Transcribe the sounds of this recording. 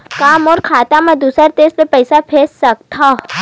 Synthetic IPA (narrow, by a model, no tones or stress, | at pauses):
kaːmɔːɾkʰaːt̪amẽd̪uːsəɾt̪eːzlepɛɪsapʰeːssɐk̚t̪ʰa